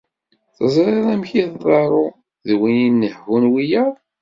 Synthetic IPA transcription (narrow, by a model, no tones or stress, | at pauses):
θəzˤɾˤɑɾæmçiððˤɑɾˤʊ | ðwininːəhːunwijəɾˤ